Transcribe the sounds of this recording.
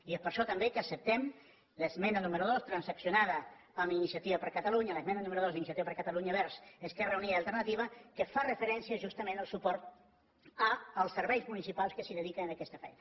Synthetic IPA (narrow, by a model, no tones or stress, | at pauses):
iespəɾʃɔt̪əmbekəːsəp̚t̪ɛm | ləzmɛnənuməɾuðost̪ɾənsəksjunaðə | əminisiət̪iβəpəɾkət̪aluɲaləzmɛnənuməɾuðozinisiət̪iβəpəɾkət̪aluɲəβɛɾzeskɛrəuniəlˠt̪əɾnət̪iβ̞əkəfarəfəɾɛnsiəʒust̪əmẽnəlˠsupɔɾt̪̚ | əːlˠsːəɾβɛjzmunisipalˠskəsiðəðikəənakɛst̪əfɛ̰jnə